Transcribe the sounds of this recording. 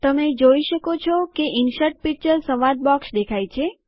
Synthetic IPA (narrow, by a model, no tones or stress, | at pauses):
t̪əmed͡ʒoiʃəkot͡ʃʰɔkeɪnʃəɾʈ̚pik̚t͡ʃəɾsəʋad̪̚bɔksd̪ekʰajt͡ʃʰe